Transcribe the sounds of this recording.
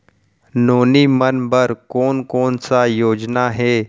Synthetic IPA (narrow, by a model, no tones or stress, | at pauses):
noːnimənbəɾkɔːnkoːnsajoːd͡ʒnaɦɛː